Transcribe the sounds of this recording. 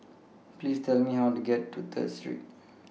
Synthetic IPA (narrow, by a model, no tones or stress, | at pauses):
plistɛlmihawtuɡɛtːut̪ʰə̰tstɹḭt̚